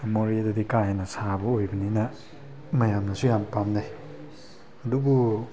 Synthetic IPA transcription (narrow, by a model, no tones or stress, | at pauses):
memoɾiadɐdikahajnɐsabɐojbɐninɐ | mɐjamnɐsujampamnaj | ɐdubu